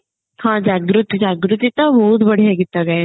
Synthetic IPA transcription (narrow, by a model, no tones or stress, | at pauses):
hãːd͡ʒaːɡɾʊt̪id͡ʒaːɡɾut̪it̪abɔɦut̪bɐɽ̤jaɡɪt̪ːaɡae